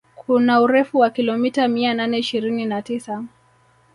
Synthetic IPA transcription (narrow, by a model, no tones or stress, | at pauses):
kʰunauɾɛfuwakilɔmitamiananɛiʃiɾininatisa